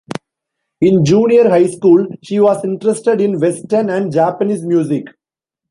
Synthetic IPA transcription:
ɪ̃nd͡ʒũːniəɾɦaɪskuːlʃiːʋɔːzɪ̃ɳʈɾesʈeɖɪ̃nʋesʈənæ̃ɳɖd͡ʒaːpəniːzmjuːzɪk

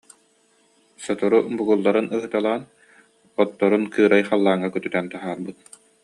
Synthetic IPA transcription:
sɔt̪ɔɾubuɡulˠːaɾɯnɯɦɯt̪alˠaːn | ɔt̪ːɔɾunkɯːɾajχalˠːaːŋːakœt̪yt̪ɛnt̪aɦaːɾbɯt̪̚

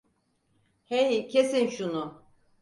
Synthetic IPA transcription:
hejicʰesinʃunʊ

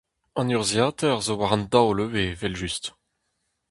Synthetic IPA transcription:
ɑ̃nyʁzjaːt̪ɛʁzowaʁɑ̃nd̪awløvevɛlʒyst̪

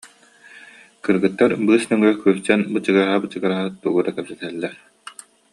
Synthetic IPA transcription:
kɯɾɡɯt̪ːaɾbɯːsmɛŋœkylt͡ɕɛnbɯt͡ɕɯɡaɾaɦabɯt͡ɕɯɡaɾaɦɯt̪uɡud̪akɛpsɛt̪ɛɦɛlːɛɾ

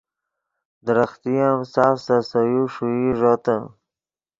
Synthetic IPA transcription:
d̪ɾaxt̪ijamsaːfsasajuʂuiʐot̪a

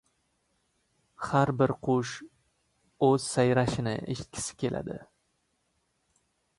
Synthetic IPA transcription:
haɾbɪɾqʰʊʃ | ɵz̥sajɾaʃɪnɪ̰ʔɪ̰ʃkʲʰɪ̥sɪ̥kʲe̞lʔa̰d̪ɪ̰

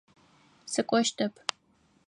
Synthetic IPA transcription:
sɨkʷʼɔʃtʰɐpʰ

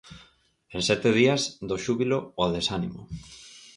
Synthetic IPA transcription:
ensɛt̪eð̞iazd̪oʃuβilooðesanimo̰

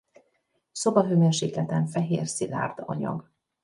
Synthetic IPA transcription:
so̞bɒɦøvɛnʃiːk̪lɛt̪ɛɱfɛɦeːrsila̰ːrd̪ɒ̰ɲɒ̰ɡ

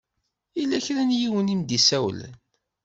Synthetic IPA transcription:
ilːæçɾænjiwənimd̪isæwlə̰n

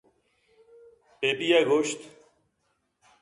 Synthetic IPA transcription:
peːpijaːɡoːɕt̪

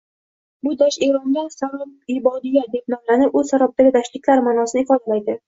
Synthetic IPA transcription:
bʊd̪aʃe̞ɾɒŋd̪ʲasalɒmɪbɒd̪ɪjad̪e̞p̚nɒmlanɪpɵz̥saɾap̚d̪aɡʲɪd̪aʃlɪkʲlaɾmaːnɒsɪnɪɪfɒd̪alajd̪ɪ

